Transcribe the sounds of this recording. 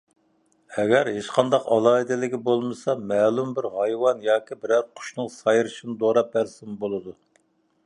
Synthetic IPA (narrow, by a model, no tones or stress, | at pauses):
ɛɡʲæɾɦeʃqʰɑnd̪ɑqɑ̰lˠɑːid̪ɪlɪɡʲibolˠmɨsɑmæːlˠumbɪɾɦɑjwɑnjɑːkʲibɪɾæɾqʰʊ̥ʃnɨŋsɑjɾɨʃinɨd̪oɾɑp̚bæɾsɪmbolˠɨd̪u